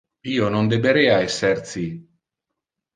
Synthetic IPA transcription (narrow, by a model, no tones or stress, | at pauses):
iːonond̪ebeɾɛːaɛsːert̪si